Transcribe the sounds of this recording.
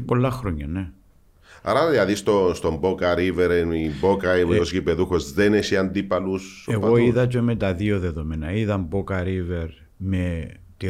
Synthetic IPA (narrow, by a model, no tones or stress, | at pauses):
po̞lːɐxɾoɲːɐne | a̰ɾɐðilɐðist̪ost̪ombokɐɾiveɾenimbokɐimeosʝipeðuxozðenesiɐnd̪ipɐluseɣoiðɐt͡ʃemet̪ɐðioðe̞ðo̞menɐiðɐmbokɐɾive̞ɾ | me | t̪i